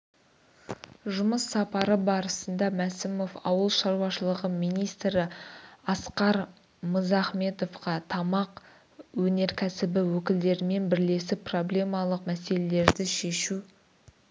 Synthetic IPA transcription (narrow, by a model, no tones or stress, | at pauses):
ʒʊməsːɑpɑɾəbɑɾəsənd̪ɑmæsɪmo̞fɑ̰wəlˠʃɑɾwɑʃəlˠəʁəmijnijst̪ɾɪɑsqɑɾ | məzæχme̞t̪o̞fqɑt̪ʰɑmɑq | wɵne̞ɾkʲʰæsɪbɪwɵkʲɪld̪e̞ɾɪme̞nbɪɾle̞sɪpro̞blʲe̞mɑlˠəqmæse̞le̞le̞ɾd̪ɪʃe̞ʃu